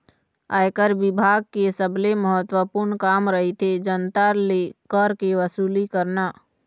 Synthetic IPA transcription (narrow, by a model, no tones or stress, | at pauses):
aːjkəɾʋɪbʱaːɡ̚kesəbleməɦət̪wəpʊɾɳkaːmɾəɦet̪ʰed͡ʒənt̪alekəɾkeʋəsuːlikəɾnaː